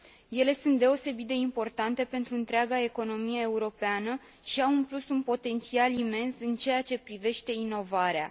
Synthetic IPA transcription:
je̞le̞sunt̪̚d̪e̞o̞se̞bit̪̚d̪e̞impo̞rt̪ant̪e̞pe̞nt̪ɾuɨnt̪ɾeaɡae̞ko̞no̞mijeːuɾo̞peanə | ʃiawunplusunpo̞t̪e̞nt̪sialime̞nsɨnt͡ʃe̞jat͡ʃe̞pɾive̞ʃt̪e̞ino̞vaɾea̰

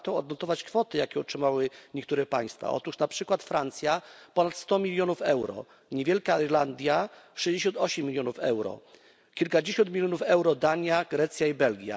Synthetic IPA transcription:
t̪ɔ̃w̃ɔd̪nɔt̪ɔvat͡ɕkfɔt̪ɘjakʲɛɔtʂɘmawɘɲekt̪uɾɛpaj̃st̪fa̰ɔ̰t̪uʂnapʂɘkwat̪fɾant̪sʲjapɔnat̪st̪ɔmʲilʲjɔnufɛwɾɔ̰ | ɲevʲjelkaiɾland̪ʲjaʂɛjʑd͡ʑeɕ̬ɔnt̪ɔɕɛmːʲilʲjɔnufɛ̰wɾɔ̰ | kʲilkad͡ʑeɕɔnt̪mʲilʲjɔnufɛwɾɔd̪aɲaɡɾɛt̪sʲjaibɛlɡʲja̰

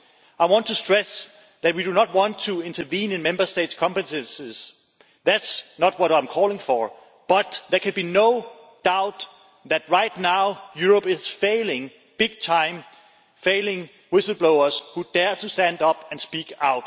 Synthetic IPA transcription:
aɪwɑ̃ntʰustɹ̥ɛs | ðæt̚widunət̚wɑ̃ntʰuɪ̃ntʰə˞vĩːnɨ̃nmɛ̃mbə˞steɪtskʰɑ̃mpɨtɨ̃nsɪz̥ | ðætsnət̚wʌɾãɪ̃mkʰɔːlˠɪ̃ŋfə˞ | b̥ʌt̪̚ðə˞kʰɨ̃nbinoʊ | d̥aʊt | ðæt̚ɹaɪtnaʊjuɹəpɪz̥feɪlɪ̃ŋ | b̥ɪɡ̥̚tʰãɪ̃m | feɪlɪ̃ŋ | wɪsl̩̚ˠbloʊə˞z̥hud̥ɛɹtʰustæ̃ndʌpɨ̃nspikaʊt

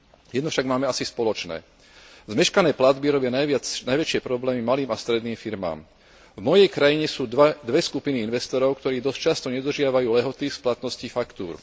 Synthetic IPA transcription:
jɛd̪nɔfʃaɡmaːmɛasispɔlɔt͡ʃnɛ̰ː | zmɛʃkanɛːplad̪biɾɔbɪanajʋɪat͡snajʋɛt͡ʃɪɛpɾɔblɛːmimaliːmast̪ɾɛd̪niːmfiɾma̰ːm | vmɔjɛjkɾajiɲɛsuːd̪ʋɛskupiniinʋɛst̪ɔɾɔʊkt̪ɔɾiːd̪ɔst͡ʃast̪ɔɲɛd̪ɾr̩ʒɪaʋajuːlɛɦɔt̪isplat̪nɔscifakt̪uːɾ

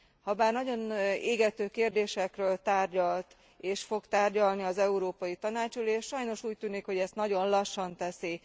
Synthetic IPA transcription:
hɒbaːrnɒɟo̞neːɡɛt̪øːkeːrd̪eːʃɛkrøːlt̪aːrɟɒlt̪ | eːʃfo̞ɡt̪aːrɟɒlniɒzɛuɾoːpɒjit̪ɒnaːt͡ʃuleːʃʃɒjno̞ʃuːc̚t̪yːnikho̞ɟɛst̪nɒɟo̞nlɒʃːɒnt̪ɛsi

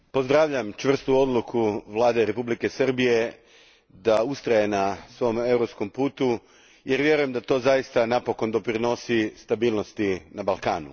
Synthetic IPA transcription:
po̞zd̪ɾaːʋʎamt͡ʃʋr̩st̪uo̞d̪lˠukʰuʋlaːd̪e̞ɾe̞publike̞sr̩bije̞ | d̪aust̪ɾaje̞nasʋo̞me̞uɾopsko̞mpuːt̪u | je̞ɾʋje̞ɾuje̞md̪at̪o̞ːzajist̪anapo̞ko̞nd̪o̞pɾino̞sist̪abiːlˠno̞st̪inabalˠkaːnṵ

